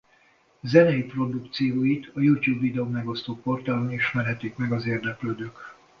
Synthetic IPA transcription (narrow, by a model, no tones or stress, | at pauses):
zɛnɛjipro̞d̪ukt̪sijoːjit̪ʰɒjuːt̪juːbːid̪ɛoːmɛɡo̞st̪oːpo̞rt̪aːloniʃmɛrɦɛt̪ikmɛɡɒzeːrd̪ɛkløːd̪øːk